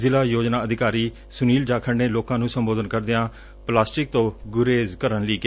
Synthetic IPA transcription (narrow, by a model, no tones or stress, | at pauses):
zɪlaːjoːd͡ʒnaːəd̪ɪkaːɾiː | sʊniːld͡ʒaːkʰəɳneːloːkãːnũːsəmboːd̪ənkəɾd̪ɪãː | plaːsʈɪk̚t̪õːɡʊɾeːzkəɾənliːke